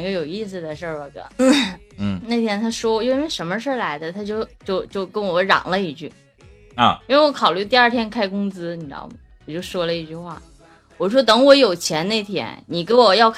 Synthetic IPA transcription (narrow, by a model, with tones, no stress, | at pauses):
ɡə˧jo˨˩ʊi˥˩s̬ɹ̩˨˩d̪ə˩ʂə˥˩ə˨˩ɡə̰˧˩n̩˥˩˥ne˥˩ɪt̪ʰjɛ˥nt̪ʰa˥ʂwɔ˥˧jo˥˧ʊ˥nwe˥˩ɪʂə˧˥nmə˧ʂɻ̩˥˩la˧˥ɪd̪ə˧t̪ʰa˥t͡ɕjo˥˧ʊt͡ɕjo˥˧ʊt͡ɕjo˥˩ʊkə˥nwɔ˧˥ɻɑ̰˨˩ŋlə˦i˧˥t͡ɕy˥˩ | i˥nwe˧wɔ˧˥kʰɑ˨˩ʊly˥˧t̪̬i˥˧a˞˥˩t̪ʰjɛ˥nkʰa˥˩ɪkʊ˥ŋt͡sɹ̩˥ni˨˩ʈ͡ʂɑ̰˥˩ʊm˨˩wɔ˨˩t͡ɕjo˥˩ʊʂwɔ˥lə˧i˥˧t͡ɕy˥˧xwa̰˥˩ | wɔ˨˩˥ʂwɔ˥t̪ɤ˧˥ŋwɔ˧˥jo˨˩ʊt͡ɕʰjɛ˧˥nne˥˩ɪt̪ʰjɛ̰˥nni˨˩kwɔ˨˩jɑ˥˧ʊk